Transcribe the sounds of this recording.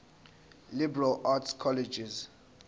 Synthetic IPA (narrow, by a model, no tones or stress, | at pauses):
libɛɹalatskʰɔlɛd͡ʒiz